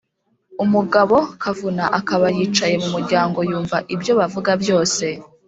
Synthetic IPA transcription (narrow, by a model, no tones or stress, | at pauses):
umuɡaβo̞kʰavunaʔakaβajiːt͡ʃaje̞mumuɾɟaːŋɡo̞juːɱvaʔibjo̞βavuɡabjo̞ːse̞